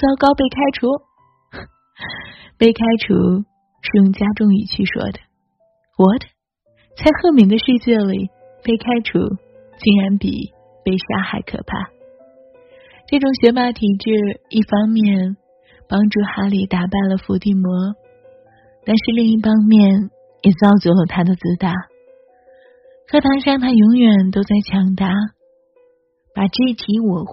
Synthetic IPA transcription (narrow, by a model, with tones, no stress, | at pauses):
t͡sɑ˥ʊkɑ˥ʊpe˥˩ɪkʰa˥ɪʈ͡ʂʰu˧˥ | pe˥˩ɪkʰa˥ɪʈ͡ʂʰṵ˧˥ | ʂɻ̩˥˩jʊ˥˩ŋt͡ɕja˥ʈ͡ʂʊ˥ŋi˨˩t͡ɕʰy˥˩ʂwɔ̰˥d̪ə̥˨ | wɔ˨˩d̪ə˩ | t͡sʰa˥˧ɪxɤ˥˩mi˧˥d̪ə˧ʂɻ̩˥˧t͡ɕjɛ˥˩li˨˩ | pe˥˩ɪkʰa˥ɪʈ͡ʂʰṵ˥ | t͡ɕi˧˥nɻa˧˥npḭ˨˩ | pe˥˩ɪʂa̰˥xa˨˧˥ɪkʰɤ̰˨˩pʰa̰˥˩ | ʈ͡ʂɤ˥˩ʈ͡ʂʊ˧˥ŋɕɥɛ˧˥pa˧˥t̪ʰi˨˩ʈ͡ʂɻ̩˥˧i˥˩fɑ˥ŋmjɛ˥˩n | pɑ˥ŋʈ͡ʂu˥˩xa˧˥li˨˩t̪a˨˩pa˥˩ɪlə˩fu˧˥t̪i˥˩mwɔ˧˥ | t̪a˥˧nʂɻ̩˥˧li˥˧ŋi˥˩fɑ˥ŋmjɛ˥˩n | jɛ˨˩t͡sɑ˥˩ʊt͡sɔ˧˥lə˨t̪ʰa˥d̪ə˨t͡sɹ̩˥t̪a˧˥ | kʰɤ˥t̪ʰa˧˥ŋʂɑ˥˧ŋt̪ʰa˥jʊ˧˥ŋjɥɛ˨˩nt̪o˥ʊt͡sa˥˩ɪt͡ɕʰjɑ˧˥ŋt̪a˧˥ | pa˨˩ʈ͡ʂe˥˧t̪ʰi˧˥wɔ˨˩